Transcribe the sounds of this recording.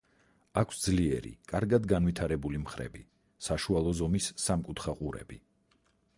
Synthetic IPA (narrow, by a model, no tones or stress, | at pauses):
akʷʰsd̪zliɛ̰ɾḭkʼaɾɡad̪ɡanvit̪ʰaɾɛbulimχɾɛ̰bi | saʃualˠɔzɔmisːamkʼut̪ʰχaqʼuɾɛ̰bi